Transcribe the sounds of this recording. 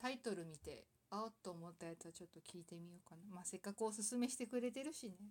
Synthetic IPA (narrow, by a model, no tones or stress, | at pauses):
t̪ait̪o̞ɾɯ̟mʲit̪e̞̰ | at̪ːoːmo̞t̪ːajat͡sɨβat͡ɕo̞t̪ːo̞kʲiːt̪e̞mʲijo̞ːkanamase̞kːakɯ̟osɨsɨme̞ɕi̥t̪e̞kɯ̟ɾe̞t̪e̞ɾɯ̟ɕine̞